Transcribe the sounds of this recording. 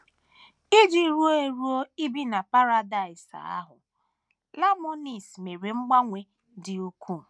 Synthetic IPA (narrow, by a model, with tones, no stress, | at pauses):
i˦d͡ʒi˨˦ɾu˦o˦e˨ɾu˦o˦i˦bi˦na˨pa˦ɾa˦da˨ɪ˨sa̰˨a̰˦ɦʊ̰˨ | la˦mo˦ni˨sme˨ɾe˨ŋ͡m̩˦ɡ͡ba˦ŋʷe˨ | dɪ˨u˦kʰu˦˨